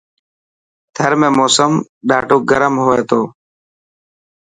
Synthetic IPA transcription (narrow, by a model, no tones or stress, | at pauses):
t̪ʰəɾmẽːmoːsəmɗaːʈuːɡəɾəmɦoːeːt̪oː